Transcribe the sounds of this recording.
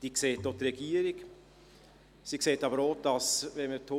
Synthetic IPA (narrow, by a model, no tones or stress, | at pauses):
d̥iːkseːtːot̪ɾɛɡ̥iːəɾɪk | sikseːtɑbəɾod̥ɑsvɛnmət̪ʰo